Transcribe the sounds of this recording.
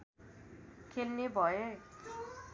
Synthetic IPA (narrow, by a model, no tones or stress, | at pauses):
kʰelnebʱʌe